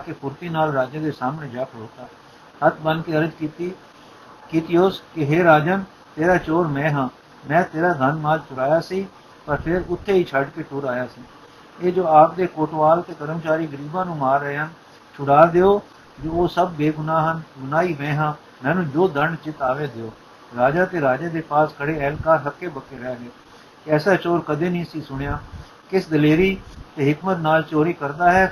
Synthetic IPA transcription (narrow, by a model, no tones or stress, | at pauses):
aːkepʊɾt̪iːnaːlɾaːd͡ʒãːd̪eːsaːmɳeːd͡ʒaːkʰɾoːt̪aː | hət̪ʰbənkeːəɾəd͡ʒkiːt̪iː | kiːt̪iːoːskɪɦeːɾaːd͡ʒən | t̪eːɾaːt͡ʃoːɾmɛ̃ːɦãː | mɛ̃ːt̪eːɾaːd̪ʱənmaːlt͡ʃʊɽaːjaːsiː | pəɾpʰɪɾʊt̪ʰːeːiːt͡ʃʰəɖkeːʈʊːɾaːjaːsiː | eːd͡ʒoːaːp̚d̪eːkoːʈʋaːlt̪eːk̪əɾəmt͡ʃaːɾiːɡəɾiːbãːnũːmaːɾːəeːɦən | t͡ʃʰʊɽaːd̪eːoː | d͡ʒoːoːsəb̚ːeːɡʊnaːɦənɡʊnaːiːʋɛ̃ːɦãː | mɛ̃ːnũːd͡ʒoːd̪əɳt͡ʃɪt̪aːʋeːd̪eoː | ɾaːd͡ʒaːt̪eːɾaːd͡ʒeːd̪eːpaːskʰəɽeːɛːlkaːɾɦəkʰːeːbəkeːɾɛːɡe | ɛːsaːt͡ʃoːɾkəd̪eːnĩːsiːsʊɽ̃ejaː | kɪsd̪əleːɾiːt̪eːɦɪkmət̪naːlt͡ʃoːɾiːkəɾd̪aːɦɛː